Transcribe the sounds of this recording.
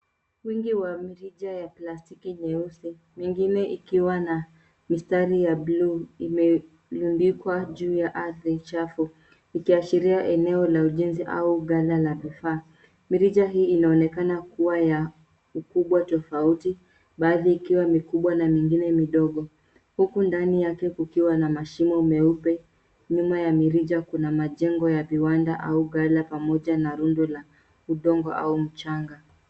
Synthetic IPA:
wiŋɡiwamiɾiʄajaplastikiɲɛusi | miŋɡinɛʔikiwana | mistaɾijabluimɛ | lunbikwaʄuːjaʔaθɾit͡ʃafu | ikiaʃiɾiaʔɛnɛɔlauʄɛnziʔa̰uɠalalavifaː | miɾiʄaɦiːinaɔnɛkanakuwaja | ukuɓwatɔfauti | ɓaːðiːkiwamikuɓwanamiŋɡinɛmiɗɔɠɔ | hukundanijakɛkukiwanamaʃimɔmɛupɛ | ɲumajamiɾiʄakunamaʄɛŋɡɔjaviwandaʔauɠalapamɔʄanaɾundɔla | uɗɔŋɡɔ̰ʔa̰um̩t͡ʃaŋɡa

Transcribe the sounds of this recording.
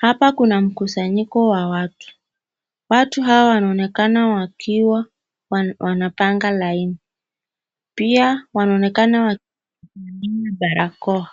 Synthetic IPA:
hapakunam̩kusaɲikɔwawatu̥ | watuɦawawanaɔnɛkanawakiwa | wanapaŋɡalaini | piawanaɔnɛkanawa | animaɓaɾʔakɔa

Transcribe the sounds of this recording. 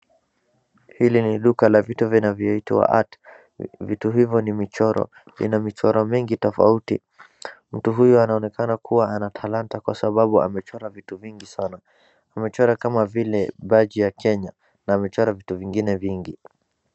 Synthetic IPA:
hiliniɗukalavituvinavjɔitḭwa̰ʔa̰t | vituɦivjɔnimit͡ʃɔɾɔ̰ | lḭnamit͡ʃɔɾɔmiŋɡitɔfa̰utḭ | m̩tuɦujɔanaɔnɛkanakʰuwaanatʰalantakwa̰saɓaɓua̰mɛt͡ʃɔɾavituviŋɡisana | amɛt͡ʃɔɾakamavilɛɓad͡ʒijakʰɛɲa | naːmɛt͡ʃɔɾavituviŋɡinɛviŋɡi

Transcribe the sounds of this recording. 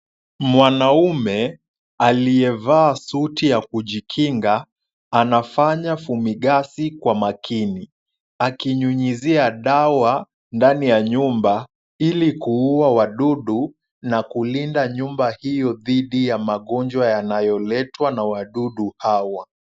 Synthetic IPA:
mwanaumɛ | alijɛvaːsutijakuʄikʰiŋɡaː | nafaɲafumiɠasikwamakʰini | akiɲuɲiziaɗawa | ndanijaɲumba | ilikuuawaɗuɗu | nakulindaɲumbahijɔðiɗijamaɠɔɲd͡ʒwajanajɔlɛtwanawaɗuɗuhawa

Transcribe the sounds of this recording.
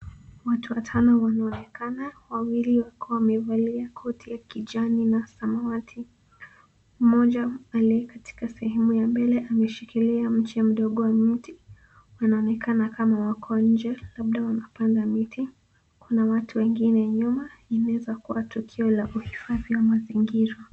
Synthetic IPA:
watuwatʰanɔwanaɔnɛkanawawiliwakɔwamɛvaliakʰɔtʰijakiʄaninasamawatʰi | m̩mɔʄaːliɛkati̥kasɛhɛmujambɛlɛʔamɛʃikiliam̩t͡ʃɛm̩ɗɔɠɔwamiti | wanaɔnɛkanakamawakʰɔwaɲ̩d͡ʒɛlaɓ̚ɗawanapandamiti | kunawatʰuwɛŋɡinɛɲumainaɛzakuwatukʰiɔlaʔuhifaðiwamaziŋɡiɾa

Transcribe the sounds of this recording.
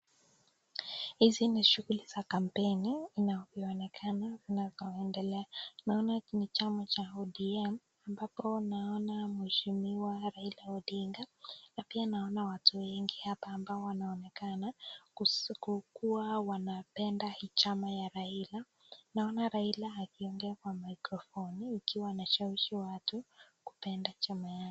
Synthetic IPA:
hiziniʃuɣuliz̥akam̩pɛniːnaɔviɔnɛkʰanazinazɔɛndɛlɛanaɔnanit͡ʃamat͡ʃaɔɗiɛm | ambapɔnaɔnamuhɛʃimiwaɾailaɔɗiŋɡanapianaɔnawatuwɛŋɡihapaːmbaɔwanaɔnɛkana | kukuawanapɛndahit͡ʃamajaɾaila | naɔnaɾailaːkiɔŋɡɛakwamaikɾɔfɔniːkiwanaʃawiʃiwatu | ku̥pɛndat͡ʃamajak

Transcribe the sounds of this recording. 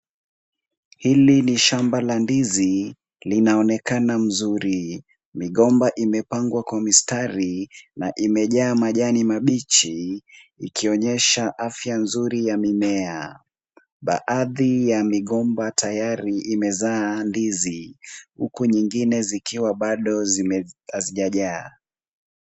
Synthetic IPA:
hiliniʃambalandizi | linaɔnɛkanam̩zuɾi | miɠɔmbaʔimɛpaŋɡwakwamistaɾinaʔimɛʄaːmaʄanimaɓit͡ʃiikiɔɲɛʃaʔafjanzuɾijamimɛa | ɓa̰ʔaðijamiɠɔmbatʰajaɾiimɛzaːndizihukuɲiŋɡinɛzikiwaɓaɗɔ | aziʄaʄaː

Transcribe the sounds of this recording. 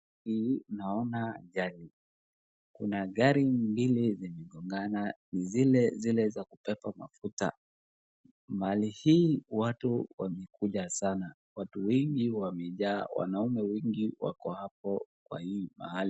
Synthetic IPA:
inaɔnaːʄali | kunaɠaɾimbilizimɛɠɔŋɡananizilɛzilɛzakupɛpama̰futa̰ | mahalihiːwatuwamɛkuʄasana | watuwɛŋɡiwamɛʄaːwa̰naumɛwɛŋɡiwa̰kɔhap̚ɔkwa̰hiːma̰hali

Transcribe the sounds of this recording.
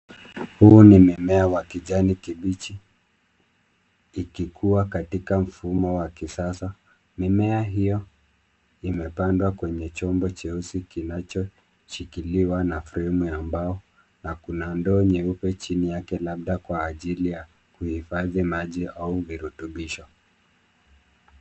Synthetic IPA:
huːnimimɛawakiʄanikiɓit͡ʃi | kikʰuwakatikam̩fumɔwakisasa | mimɛaɦijɔ | imɛpandwakwɛɲɛt͡ʃɔmbɔt͡ʃɛusikinat͡ʃɔ | ʃikiliwanafɾɛmujambaɔ | nakunandɔɲɛupɛt͡ʃinijakɛlaɓ̚ɗakwaːʄilija | kuhifaðimaʄiauviɾutuɓiʃɔ

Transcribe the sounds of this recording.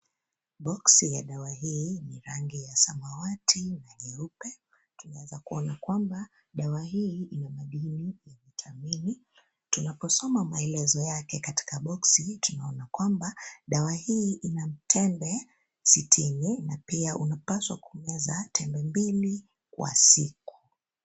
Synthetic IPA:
ɓɔksijaɗawaɦiːniɾaŋɡijasamawatʰinahɛupɛ | tunawɛzakuɔnakwamba | ɗawahiinamaɗinijaɲitʰamini | tunapɔsɔmamaɛlɛzɔjakɛkati̥kaɓɔksitunaɔnakwambaɗawahiːʔinam̩tʰɛmbɛ | sitʰininapiaʔunapaswa̰kuɔmɛzatʰɛmbɛmbili | kwa̰siku̥

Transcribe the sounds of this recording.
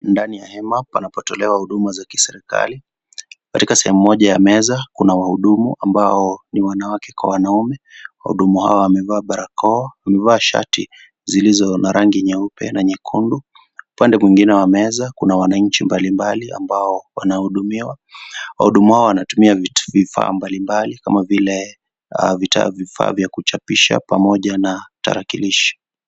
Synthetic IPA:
ndanijahɛmapanapɔtɔlɛwahuɗumazaki̥sɛɾika̰li | katikasɛhɛmumɔʄajamɛzakunawahuɗumṵʔambaɔniwanawakɛkwa̰wanaumɛwa̰hṵɗumuha̰ɔwamɛvaːɓaɾakɔwamɛvaːʃa̰ti | zilizɔnaɾaŋɡiɲɛupɛ̰naɲɛkʰundu | upandɛmwiŋɡinɛwamɛzakunawanaɲ̩t͡ʃimbalimbalia̰mbaɔwa̰nahuɗumiwa | wa̰huɗumuhaɔwanatumiavvifa̰ːmbalimbalikamavilɛ | vita̰vifa̰ːvjakut͡ʃapiʃa̰pamɔʄanata̰ɾakiliʃi̥

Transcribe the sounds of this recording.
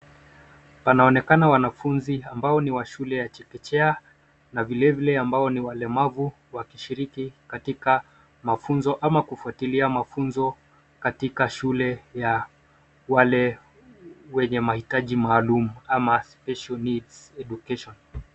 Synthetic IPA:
panaɔnɛkanawanafunziambaɔniwaʃulɛjat͡ʃɛkɛt͡ʃɛa | navilɛvilɛambaɔniwalɛmavu | wakiʃiɾikikatika | mafunzɔʔamakufuatiliamafunzɔ | katikaʃulɛja | walɛ | wɛɲɛmahitaʄimaːlumuamaspɛʃalnidsɛʄukɛʃɔn

